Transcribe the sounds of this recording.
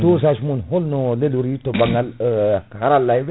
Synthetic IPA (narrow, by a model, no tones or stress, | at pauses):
t̪os̬aʃmunɦolnoleluɾitobaŋaləkhaɾalːajbe